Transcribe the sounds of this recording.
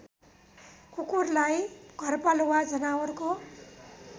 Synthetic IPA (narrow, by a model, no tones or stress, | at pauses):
kukurlajɡ̥ʱʌrpalowad͡zʌnawʌrko